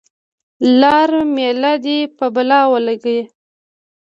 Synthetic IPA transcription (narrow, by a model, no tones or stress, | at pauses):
lɑɾmelad̪epəbalɑwəlaɡəje